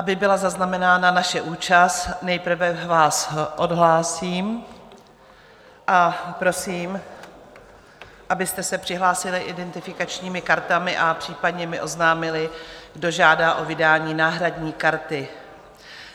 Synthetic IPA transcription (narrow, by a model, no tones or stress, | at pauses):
ʔabɪbɪlazaznamɛnaːnanaʃɛʔuːt͡ʃast̪nɛjpr̩vɛvaːsʔo̞dɦlaːsiːm | ʔapɾo̞siːm | ʔabɪst̪ɛsɛpr̥ɪɦlaːsɪlɪʔɪdɛnt̪ɪfɪkat͡ʃɲiːmɪkaɾt̪amɪʔapr̥iːpadɲɛmɪʔo̞znaːmɪlɪɡdo̞ʒaːdaːʔo̞vɪdaːɲiːnaːɦɾadɲiːkaɾt̪ɪ